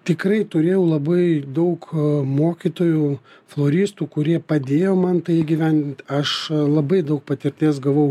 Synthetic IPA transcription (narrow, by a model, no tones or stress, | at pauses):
t̪ʲɪkɾɐɪt̪ʊɾʲeːjɛʊlˠɐbɐɪd̪ɐʊkmoːkʲit̪oːjuflˠoːɾʲiːst̪uːkʊɾʲiɛpɐd̪ʲeːjoːmɐnt̪ɐɪɪɡʲiʋʲænʲd̪ʲɪnʲt̪ʲɐʃlˠɐbɐɪd̪ɐʊk̚pɐt̪ʲɪɾʲt̪ʲeːs̬ɡɐʋɐʊ